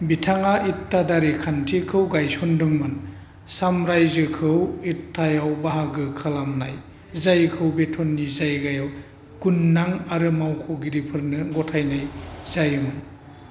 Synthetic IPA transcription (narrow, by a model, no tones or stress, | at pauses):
bitʰaŋaʔitːadaɾikʰantʰikʰɯwɡajsɔndɯŋmɯn | samɾajzɯkʰɯwitʰːajawbaɦaɡɯkʰalamna̰j | zajkʰɯwbetʰɔnːizajɡajaw | ɡ̥unːaŋaɾɯmawkʰɯwɡiɾipʰɯɾnɯɡɔtʰajnajzajmɯn